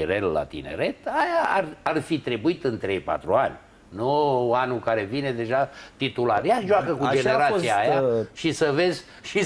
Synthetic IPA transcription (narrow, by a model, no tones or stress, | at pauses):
iɾella̰t̪ḭne̞̰ɾe̞t̪ajaːrarfit̪ɾe̞buit̪ɨnt̪ɾe̞jpa̰t̪ɾuanʲ | nuanukaɾe̞vine̞d̪e̞ʒat̪it̪ulaɾjaʒoakəkud͡ʒeneɾat̪ssiaːjaʃisəve̞zʲ | ʃi